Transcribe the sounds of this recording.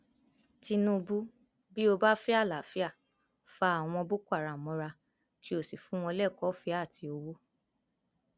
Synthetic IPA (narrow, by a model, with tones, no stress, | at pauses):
ti˧nũ˦˧bu˦ | bi˦o˧ba˦fi˦a˦˨la˨˦fi˦a˦˨ | fa˦a˦˨w̃ɔ̃˧bo˦kʷa˦˨ɾa˨mɔ̃˧ɾa˧ | ki˦o˦˨si˨fũ˨˦w̃ɔ̃˧lɛ˦˨kɔ˨˦fi˦a˦˨tʰi˧o˧wo˦